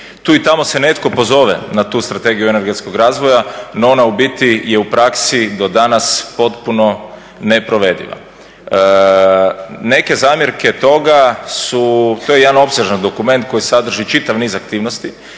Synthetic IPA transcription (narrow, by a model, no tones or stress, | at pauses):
t̪uːit̪amo̞sene̞t̪ko̞po̞zo̞ʋḛnat̪uːst̪ɾat̪e̞ɡijueneɾɡet̪skoɡɾaːzʋo̞janoonaubit̪ijeupɾaksid̪o̞d̪anaspo̞t̪puno̞ | ne̞pɾoʋe̞d̪ḭʋa̰ | ne̞ke̞zaːmjeɾke̞t̪o̞ɡasut̪ojeed̪ano̞pseʒand̪o̞kume̞nt̪̚ko̞jisad̪r̩ʒit͡ʃit̪aʋniːzakt̪iːʋnost̪i